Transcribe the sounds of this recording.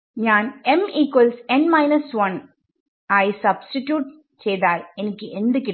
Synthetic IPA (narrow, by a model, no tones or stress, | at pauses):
ɲaːnɛmiːkʋɐlsɛnmɐɪnɐsʋɐn | ɐjsɐbsʈiʈjuːʈ̚ | t͡ʃɛjðaːlɛnɐkʲːɯʔɛnd̪ɐkːɪ